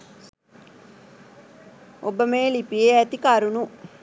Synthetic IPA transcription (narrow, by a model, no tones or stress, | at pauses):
obəmeːlipieæt̪ikaɾunu